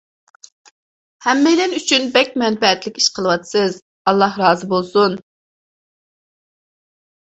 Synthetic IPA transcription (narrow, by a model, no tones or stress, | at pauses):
hɛmːɛjlɛnyt͡ʃʰynbɛkʲmɛnbɛɛt̪lɪkʲiʃqʰəlˠəwɑt̪ʰɨ̥sɨz | ɑlˠːɑhɾɑːzɨbolˠsun